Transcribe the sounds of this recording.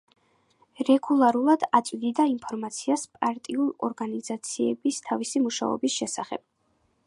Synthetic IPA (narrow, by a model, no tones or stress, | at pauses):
ɾɛɡulˠaɾulˠad̪at̪sʼwid̪id̪aimpʰɔɾmat̪sʰiaspʼaɾt̪ʼiulˠɔɾɡanizat̪sʰiɛbist̪ʰavisimuʃa̰ɔ̰bisʃɛsaχɛ̰b̥̚